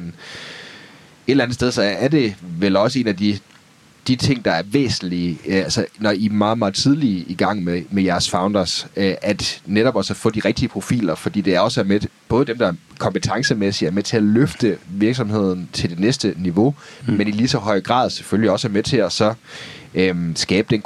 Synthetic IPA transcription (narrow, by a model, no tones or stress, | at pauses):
n | e̝d̥læn̩ˠsd̥eðˠsɒ̽æɐd̥e̝ʋelɒ̽səe̝̰ːnæd̥i | d̥it͡sʰe̝ŋ̰d̥ɑ̈æɐʋḛːsn̩liælsɐnɒimɑ̈ːð̩ˠmɑ̈ːð̩ˠt͡sʰið̞ˠliiɡ̥ɑ̈ŋ̰memejæɐsfɑ̈ʊnd̥ɐsʔæd̥neɾɒ̽b̥ɒsɒfɔ̽d̥iʁɛɡ̥̚d̥iəpʰʁo̝fḭːlɐfɒ̽d̥ḭːd̥e̝æɐɒ̽sæɐmeb̥ɔ̽ːð̞̩ˠd̥emd̥ɑ̈ɐkʰɒ̽mpət͡sʰɑ̈ŋsəmesi̥æɐmet͡sʰe̝æløfd̥əʋiɐɡ̥sɒ̽mhe̝ð̰ˠn̩t͡sʰe̝ld̥e̝nesd̥əniʋo̝menilisɒ̽ɦɒ̽ɪ̰ɡ̥ʁɑ̰̈ːð̞ˠse̥følliɒ̽sæɐmet͡sʰe̝æsɒ̽ | øsɡ̥ɛːb̥əd̥en